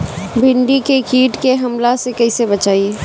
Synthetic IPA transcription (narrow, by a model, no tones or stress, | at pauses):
bʱɪɳɖikekiːʈkeɦɐmlasekɐisebɐt͡ʃaːie